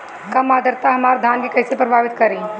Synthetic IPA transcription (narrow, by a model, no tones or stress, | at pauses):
kɐmaːd̪əɾt̪aɦɐmaːɾd̪ʱjaːnkekɐːsepɾɐbʱaːʋɪt̪kɐɾẽː